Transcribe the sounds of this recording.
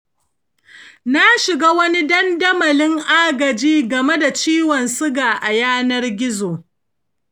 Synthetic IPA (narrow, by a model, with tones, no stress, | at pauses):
na˦ʃɪ˨ɡaː˦wɐ˦ni˦dɐ˦ndɐ˦mɐ˨lɪ˦ŋʔaː˦ɡɐ˨d͡ʒiː˦ɡɐ˨me˦da˨t͡ʃiː˦wɔ˨nsɪ˦ɡaː˨ʔa˨jaː˦nɐ˦rɡʲɪ˦zoː˨